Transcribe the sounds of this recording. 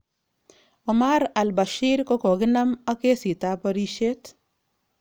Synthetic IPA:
omaɾa˨lba˨ʃiɾko˦ko˨ɡɪ˦na˦ma˦ke˦si˨ta˦pɐɾi˦ʃe˦t

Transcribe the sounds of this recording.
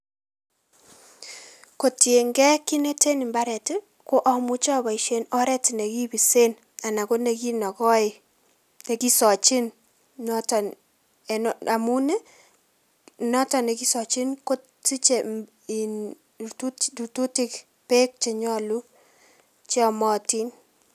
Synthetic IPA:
ko˨tje˨ŋɡɛ˦ki˦ne˦te˦nɪ˨mba˦ɾɛ˨tɪ˦ | ko˦ʔɔ˦mʊ˦t͡ʃɔ˦ba˨i˨ʃe˦nɔ˦ɾɛ˦ti˨ne˨ki˦bi˨se˦n | a˨na˨ko˦ne˨ki˦nɔ˨kɔ˦ɪ˨ | te˨ki˦sɔ˨t͡ʃɪ˦n | nɔ˦ta˨n | ɛ˨n˨a˨mu˦nɛ˦ | nɔ˦ta˨ne˨ki˦sɔ˨t͡ʃɪ˦nko˦ | ti˦t͡ʃe˨ | i˨n | tu˦tu˨tu˦tɪ˦k | pe˦k̚t͡ʃɛ˨ɲɔ˦lu˦ | t͡ʃɔ˨mɔ˦ti˦n

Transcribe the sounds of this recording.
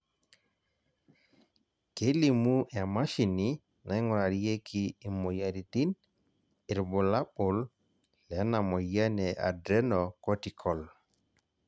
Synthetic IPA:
ke˦li˨mu˦ʔɛ˨ma˦ʃi˨ni | na˨jŋɔ˨ɾa˨ɾije˦kʰi˦˨mɔ˨ja˨ɾi˨ti˦n | i˨ɾbɔ˨la˦ɓɔ˨l | lɛ˨˦na˨mɔ˨ja˦nɛa̰dɾɛ˦nɔkɔ˦ti˨kʰɔl

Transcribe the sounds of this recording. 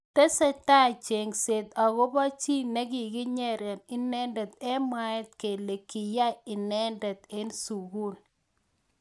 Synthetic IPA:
tɛ˦sɛ˦ta˦˨t͡ʃe˨ŋse˨d̪a˨ɡo˦ba˦t͡ʃi˦ne˦ɡi˨ɡɪ˦ɲɛ˨ɾɛ˨nɪ˦nɛ˦ndɛ˨t̪̚ɛ˦ma˦ɛ˦t̪ke˨le˨kɪ˨ja˦ɪ˨nɛ˦ndɛ˨t̪e˦nsu˨ɡu˦n

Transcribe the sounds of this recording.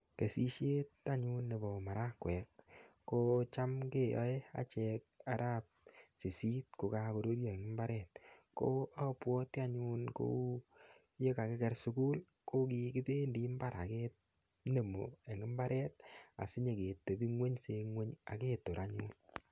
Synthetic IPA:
ke˨si˦ʃe˦ta˦ɲu˦nːe˨bɔ˨ma˨ɾa˦kwɛ˨k̚ː | o˦t͡ʃa˦mke˦jɔ̰˨˦e˦a̰˨t͡ʃɛ˧k̚a˨ɾa˦p̚si˨si˦t̚ko˨ka˦ko˨ɾo˦ɾjɔ˨e˨ŋɪ˦mba˦ɾɛ˨t̚ko˦a˦pwɔ˦ti˦a˦ɲu˦nko̰˦ | je˦ka˨ke˦kɛ˦ɾsu˧ku˦l | ko˦k̬i˦kɪ˦te˦ndi˦mba˦ɾa̰˨ke˦t | ne˨mo˨e˨ŋɪ˦mba˦ɾʔɛ˦t̚a̰˨sɪ˦ɲe˨ke˨to˨bi˦ŋwe˦ɲse˧ŋwe˦ɲa̰˨ke˦to˨ɾʔa˦ɲu˦n

